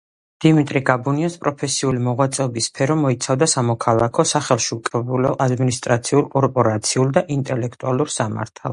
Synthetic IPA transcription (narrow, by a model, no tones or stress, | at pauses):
d̪̥imit̪ʼɾiɡabuniɔspʼɾɔpʰɛsiulimɔʁwat̪sʼɛɔbisːpʰɛɾɔmɔit̪sʰavd̪asamɔkʰalˠakʰɔsaχɛlˠʃiukʼɛbulɔʔad̪minist̪ʼɾat̪sʰiulˠkʼɔɾpʼɔɾat̪sʰiulˠd̪aʔint̪ʼɛlɛkʰt̪ʼualˠuɾsama̰ɾt̪ʰa̰lˠ